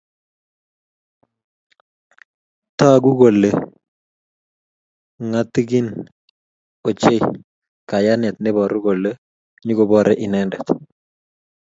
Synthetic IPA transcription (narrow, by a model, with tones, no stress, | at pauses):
t̪a˦˨ɡu˦ɡo˨lːe˨ | ŋa˦t̪ːi˦ɡi˦n | o˨t͡ʃe˦ | ka˨ja˦nɛ˨t̪̚nɪ˦bɔ˨ɾu˦ɡo˨lːe˦ | ɲu˦ɡo˨bɔ˦ɾʔɛ˦ʔɪ˨nɛndɛ˨t̪